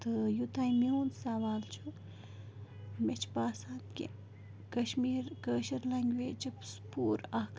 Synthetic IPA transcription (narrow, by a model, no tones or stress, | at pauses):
t̪ɨjut̪aːimeɦuːnsaʋaːlt͡ʃʰu | met͡ʃʰpaːsaːnt̪kʲḛ | kɐʃmiːɾkəːʃɐɾlɐŋɡʲʋeːt͡ʃʰipspuːɾɐhk